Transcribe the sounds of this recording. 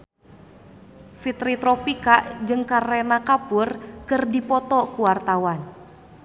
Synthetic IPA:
fit̪ɾit̪ɾɔpikaʔd͡ʒɨŋkarɛnakapurkɨrdipɔt̪ɔkuwart̪awan

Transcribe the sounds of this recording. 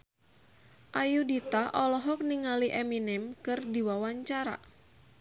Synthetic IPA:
ʔajudit̪aʔɔlɔɦɔk̚niŋaliʔɛminɪmkɨrdiwawaɲt͡ʃaɾa̰

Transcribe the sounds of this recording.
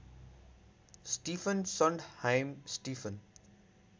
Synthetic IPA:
sʈiːfə̃nsɔ̃ɳɖhãɪ̃msʈiːfə̃n

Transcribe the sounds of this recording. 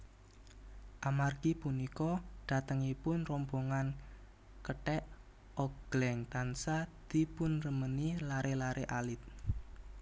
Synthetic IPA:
ʔamarɡ̥ipunikɔɖ̪̥a̤t̪əŋipʊnrɔmboŋan | kəʈɛʔ | ʔɔɡ̥lɛŋt̪ansad̪̥i̤pʊnrəmənilaɾʔelaɾʔeʔalɪt̪̚

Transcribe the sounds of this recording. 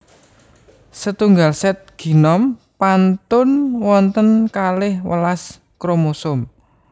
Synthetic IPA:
sət̪uŋɡalsɛt̪̚ɡ̥i̤nɔm | pant̪ʊnwɔnt̪ənkalɪhwə̰las | kɾomusʊm

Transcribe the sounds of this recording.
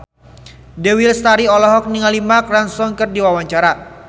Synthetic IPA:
dɛwilst̪aɾiɔlɔɦɔk̚niŋalimakransɔŋkɨrdiwawaɲt͡ʃaɾa

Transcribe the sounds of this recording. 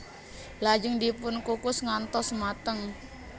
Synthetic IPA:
lad͡ʒəŋd̪ipʊnkukʊsŋant̪ɔsmat̪əŋ

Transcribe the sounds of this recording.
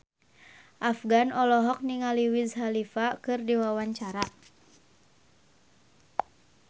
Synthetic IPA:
ʔafɡanɔlɔɦɔk̚niŋaliwizhalifakɨrdiwawaɲt͡ʃaɾa

